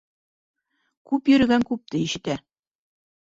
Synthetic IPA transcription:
kʉpjɵ̆ɾɘ̆ɡæŋkʉp̚t̪ɘiʃɘ̆t̪æ

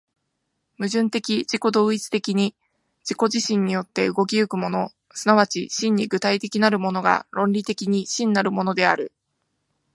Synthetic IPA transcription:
mɯ̟ʑɨ̃nt̪e̞kʲiʑiko̞d̪o̞ːit͡sɨ̥t̪e̞kʲiɲ̟i | d͡ʑiko̞ʑiɕĩɲ̟ːijo̞t̪ːe̞ɯ̟ɡo̞k̬ʲiɯ̟kɯ̟mo̞no̞ | sɨnaβ̞at͡ɕiɕĩɲ̟ːiɡɯ̟t̪ait̪e̞kʲinaɾɯ̟mo̞no̞ɡa̰ɾõ̞nʲɾʲit̪e̞kʲiɲ̟iɕĩnːaɾɯ̟mo̞no̞d̪e̞aɾɯ̟

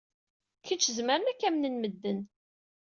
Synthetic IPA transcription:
kət͡ʃːəzməɾənækːæmnənməd̪ːən

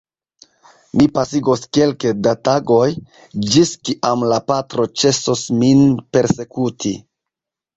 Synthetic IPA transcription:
mipasiɡoske̞lkedataɡo̞j | d͡ʒiskiʔamlapatɾo̞t͡ʃe̞sosminpe̞ɾse̞kutʰi

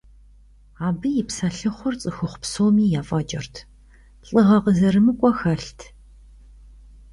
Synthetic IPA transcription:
aːbɨjɪpsɐɬɨχʷʊrt͡sʼɨxʊχʷpsoːmiːjaːfʼɐt͡ʃʼɐrtʰ | ɬʼɨʁɐqəzɐɾɨmɨkʷʼɔxɐɬtʰ

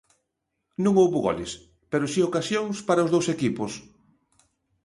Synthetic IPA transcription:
nũŋowβuɣɔ̰lḛs | peɾʊsiokasjoŋspaɾaʊzðowsekipʊs

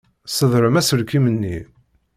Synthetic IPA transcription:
səðˤɾəmæsəɾkimənːi

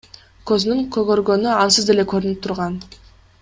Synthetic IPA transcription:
kʲʰɵznyŋkʲʰɵɡøɾɡønyɑnsəzd̪e̞le̞kʲʰɵɾynɪp̚t̪ʰʊɾʁɑn

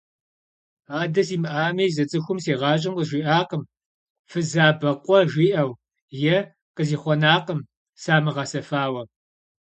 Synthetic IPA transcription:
aːdɐsiːmɨʔaːmiːzɐt͡sʼɨxʷʊmseːʁɑːɕ̬ʼɐmqəʒʷiːʔaːqəm | fɨzaːbɐqʷʼɔʒʷiːʔɐw | jɛ | qəziːχʷɔnaːqəm | saːmɨʁɑsɐfaːwɐ

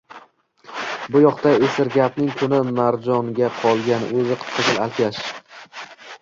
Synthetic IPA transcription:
bʊjɒqt̪aesɪɾɡʲapnɪŋkʰʊnɪmaɾd͡ʒɒŋɡʲaqʰɒlˠɡʲan̰ɵzɪqʰɨ̥qʰat̪ʰʲɪlalkʲʰaʃ

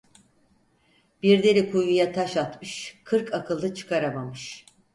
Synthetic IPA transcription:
b̥iɾd̪eɾʲikʰujujat̪ʰaʃat̪mɯʃkʰɯɾkʰakʰɯlˠd̪ɯt͡ʃʰɯ̥kʰaɾamamɯʃ

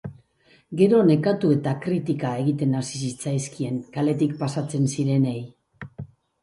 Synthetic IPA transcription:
ɡe̞ɾo̞ne̞kat̪ue̞t̪akɾit̪ikae̞ɣit̪e̞nasisit͡sajskie̞ŋkale̞t̪ikpasat͡se̞nsiɾe̞ne̞j

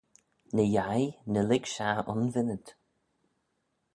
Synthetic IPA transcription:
nəjajnəlɪɡʃaʊ̰nvɪnəd̪

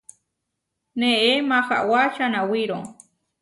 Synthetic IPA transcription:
neʔemaxa̰ʔwaʃanawiɾoŋ

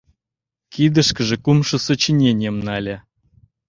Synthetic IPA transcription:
kid̪ə̆ʃkə̆ʒĕkumʃə̆sŏt͡ɕinʲenʲəmnɑlʲa

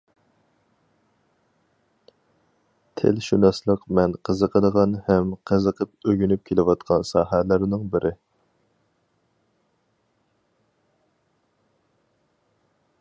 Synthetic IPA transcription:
t̪ʰḛlʃunɑslˠəqmɛnqʰəzəqʰəd̪əʁɑnhɛmqʰəzəqʰəp̚øɡʲynyp̚kʲʰelɪwɑt̪qʰɑnsɑːɦælɪɾnɪŋbɪɾʔɪ

